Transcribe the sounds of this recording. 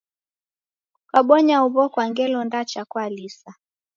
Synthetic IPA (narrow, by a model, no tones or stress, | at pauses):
kwaɓɔɲauβɔkwaŋɡɛlɔndat͡ʃakwalisa